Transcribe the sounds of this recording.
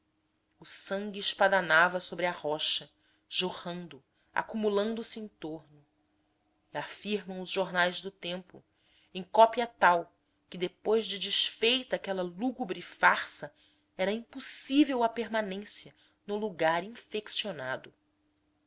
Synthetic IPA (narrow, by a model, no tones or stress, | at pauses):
ʊsɐ̃ŋɡʲɪɪʃpad̪anavɐsobɾɪɐhɔʃɐ | ʒohɐ̃nd̪ʊ | a̰kumulɐ̃nd̪ʊsɪẽj̃t̪oɾnʊ | ɪafiɾmɐ̃w̃ʊzʒoɾnajzd̪ʊt̪ẽmpʊ̰ | ẽj̃kɔpiɐt̪aw | kɪd̪epojzd͡ʒɪd͡ʒɪʃfejt̪akɛlɐluɡubɾɪfaɾsɐ | ɛɾɐĩpusivewɐpeɾmanẽsjɐ | nʊluɡaɾĩfeksionad̪ʊ